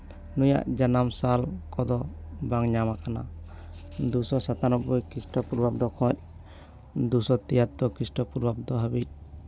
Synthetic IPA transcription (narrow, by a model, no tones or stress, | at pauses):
nuja̰ʔd͡ʒanamsalkɔd̪ɔbaŋɲamakana̰ | d̪usɔsat̪anɔbujkisʈɔpuɾbap̚d̪ɔkʰɔ̃c̚ | d̪usɔt̪ijat̪̚d̪ɔkɾisʈɔpuɾbap̚d̪ɔɦəbic̚